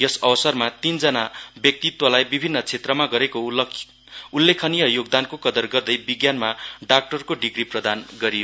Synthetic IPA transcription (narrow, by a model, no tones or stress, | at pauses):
jʌsʌbʌsʌrmat̪ind͡zʌnabjʌk̚t̪it̪wʌlajbibʱinːʌt͡sʰet̪rʌmaɡʌɾeko | ulːekʰʌnijʌjoɡ̚d̪ankokʌd̪ʌrɡʌrd̪ʌjbiɡjanmaɖak̚ʈʌrkoɖiɡriprʌd̪anɡʌɾijo